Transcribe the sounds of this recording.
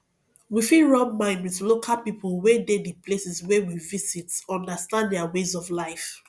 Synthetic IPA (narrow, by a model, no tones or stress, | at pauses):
wifiɹɔ̃ŋmãɪ̃ndwiθlokʰalpipʰəlwedediplesiswɛwivizitɔ̃ndəstãndɛawezɔvlaɪf